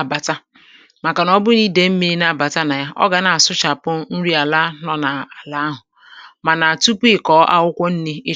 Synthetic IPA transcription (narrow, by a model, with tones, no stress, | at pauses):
ba˨ta˦ | ma˨ka˨nɔ˦bʊ˦ni˦de˨m̩˦me˦na˦˨ba˨ta˦na˨ja˦ʔɔ̰˦ɡa˨na˨a˨sʊ˦t͡ʃa˨pʊ˦n̩˦ɾi˦a˨la˦nɔ˦na˨a˨la˦ɦʊ˨ | ma˨na˨a˨tu˦pɪ˦˨kɔː˨˦ʔa̰˦wʊ˦kʷɔ˦n̩˦ni˦ɪ˦